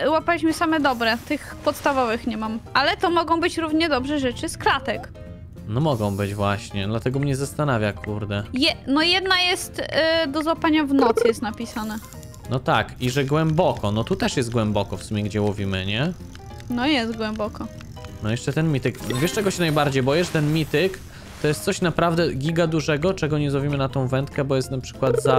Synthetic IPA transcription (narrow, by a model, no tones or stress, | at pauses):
wapalʲiɕmɘsamɛd̪ɔbɾɛt̪ɘxpɔt̪st̪avɔvɘxɲɛmamʔalɛt̪ɔmɔɡɔ̃w̃bɘt͡ɕɾuvɲɛd̪ɔbʐɛʐɛt͡ʂɘsklat̪ɛk | nɔmɔɡɔ̃w̃bɘd͡ʑvwaɕɲɛd̪lat̪ɛɡɔmɲɛzast̪anavʲjakʰuɾd̪ɛjɛnɔjɛd̪najɛst̪d̪ɔzwapaɲavnɔt̪sjɛst̪napʲisanɛ | nɔt̪akiʐɛɡwɛmbɔkɔnɔt̪ut̪ɛʂjɛst̪̚ɡwɛmbɔkɔfsumʲɛɡd͡ʑɛwuvʲimɘɲɛ | nɔjɛst̪ɡwɛmbɔkɔ | nɔjɛʂt͡ʂɛt̪ɛnmʲit̪ɘkvʲɛʂt͡ʂɛɡɔɕɛnajbaɾd͡ʑejbɔjɛʂt̪ɛnmʲit̪ɪk | t̪ɔjɛst̪sɔɕnapɾavd̪ɛɡʲiɡad̪uʐɛɡɔt͡ʂɛɡɔɲɛzɔvʲimɘnat̪ɔ̃w̃vɛnt̪̚kɛbɔjɛst̪napʂɘ̥kwad̪za